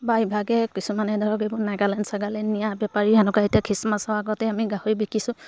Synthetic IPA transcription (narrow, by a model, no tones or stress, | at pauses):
baibʱaɡɛkisumanɛdʱɔɹɔkejbʊɹnaɡalɛnsaɡalɛnijabɛpaɹiɦanɔkaetijakʰɹismasɔaɡɔtɛamiɡahoɹibikʰisʊ̃